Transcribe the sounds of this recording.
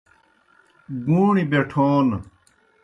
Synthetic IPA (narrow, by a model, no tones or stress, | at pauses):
ɡuːɳibeʈʰoːn